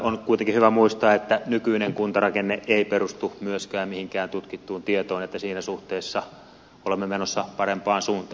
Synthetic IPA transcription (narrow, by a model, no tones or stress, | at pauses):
onkuit̪eŋkihyʋæmuist̪ɑːet̪ːænykyineŋkunt̪ɑrɑkenːeʔeipeɾust̪umyøskæːmmihiŋkæːnt̪ut̪kit̪ːuːnt̪iet̪oːnet̪ːæsiːnæsuht̪eːsːɑ | olemːemenosːɑpɑrempɑːnsuːnt̪ɑː